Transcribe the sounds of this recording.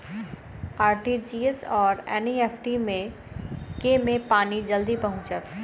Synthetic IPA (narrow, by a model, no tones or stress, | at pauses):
aːɾʈid͡ʒiːesɔːɾeːnieːfʰʈimẽ | kemẽpaːnid͡ʒɐld̪ipɐɦʊ̃t͡ʃət̪